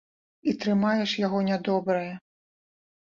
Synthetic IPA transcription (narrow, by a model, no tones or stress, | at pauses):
it̪ɾɨmajɛʂjaɣɔnʲad̪ɔbɾɐjɐ